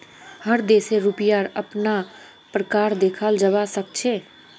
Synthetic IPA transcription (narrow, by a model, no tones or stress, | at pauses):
həɾd̪eːseɾʊpjaɾəpna | pɾəkaːɾd̪eːkʰald͡ʒəʋasək̚t͡ʃʰeː